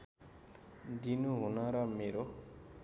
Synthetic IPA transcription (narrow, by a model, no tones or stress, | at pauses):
d̪inuɦunʌɾʌmeɾo